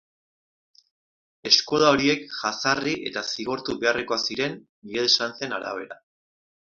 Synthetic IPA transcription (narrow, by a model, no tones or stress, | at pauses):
e̞sko̞ðao̞ɾie̞kʝasariʔe̞̰t̪asiɣo̞ɾt̪uβe̞areko̞asiɾe̞nː | iɣeðesant͡se̞naɾa̰β̞e̞ɾa